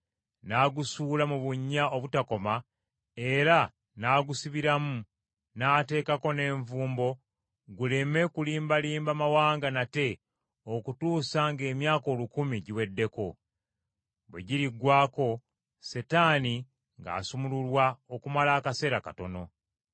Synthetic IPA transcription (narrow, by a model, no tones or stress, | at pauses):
naːɡusuːlamuβuɲːao̞βutako̞ma | e̞ɾa | naːɡusiβiɾamu | naːte̞ːkako̞ne̞ːɱvuːmbo̞ | ɡule̞me̞kuliːmbaliːmbamawaːŋɡanate̞ | okutuːsaŋɡe̞ːmjaːko̞ːlukumiɟiwe̞dːe̞ko̞ | βweɟiɾiɡwaːko̞ | setaːni | ŋɡa̰ːsumululwao̞kumalaːkase̞ːɾaka̰to̞no̞